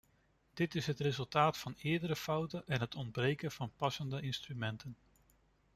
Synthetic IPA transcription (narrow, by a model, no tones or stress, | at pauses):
d̥ɪtɪsɦətrezɵlˠtaːtfɑnɪːɹdəɾəfʌwtənʔɛnɦətʰɔndbrejkənv̥ɑnpɑsəndəɪnstrymɛntən